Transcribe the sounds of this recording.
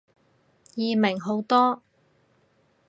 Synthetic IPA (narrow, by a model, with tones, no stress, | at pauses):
jiː˨mɪ˨˩ŋɦo˨˥wt̪ɔː˥